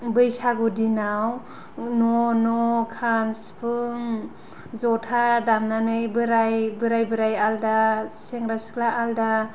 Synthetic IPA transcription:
bɯjsaɡudinaw | nɔnɔkʰanspʰɯŋ | zɔtʰadamnanɯjbɯɾajbɯɾajbɯɾajaldaseŋɾasɯ̥klaʔalda

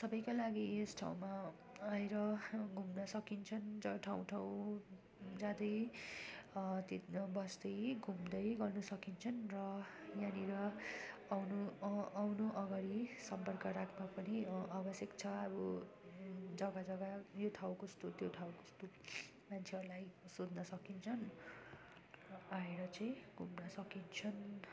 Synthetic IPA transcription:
sʌbʌjkalaɡiesʈʰa̰w̃ma | ajɾʌɡʱumnʌsʌkint͡sʰʌnd͡zʌʈʰaw̃ʈʰaw̃ | d͡zad̪ʌj | t̪ibʌsd̪ʌjɡʱumd̪ʌjɡʌrnusʌkint͡sʰʌnrʌjaniɾʌawnuawnoʔʌɡaɽisʌmpʌrkʌɾakʰmapʌniabʌsjʌkt͡sʰʌʌbu | d͡zʌɡad͡zʌɡajoʈʰawkost̪ot̪joʈ̪ʰawkost̪u | mãnt͡sʰeʌɾulajsod̪nʌsʌkint͡sʰʌn | aeɾʌt͡sʌj̃ɡʱumnʌsʌkint͡sʰʌn

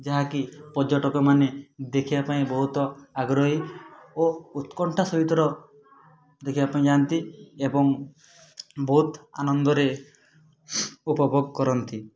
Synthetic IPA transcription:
d͡ʒaɦakipɔɾd͡ʒɔʈɔkɔmaned̪ekʰibapaĩbɔɦut̪ɔaɡɾɔɦiout̪kɔɳʈʰasɔɦit̪ɔɾɔ | d̪ekʰibapaĩd͡ʒant̪iebɔŋ | bɔɦut̪a̰nɔnd̪ɔɾe | upɔbʱoɡkɔɾɔnt̪i

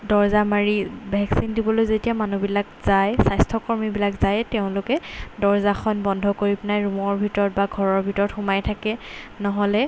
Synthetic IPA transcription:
dɔɹzamaɹibʱɛksindibɔlojzetijamanubilakz̥ajsajstʰɔkɔɹmibilakzajteʊ̃nlʊkɛdɔɹzaxʰɔnbɔndʱɔkoɹipnajɹumɔɹbʱitɔɹɔt̚baɡʱɔɹɔɹbʱitɔɹɔtxumajtʰakɛnɔɦɔlɛ

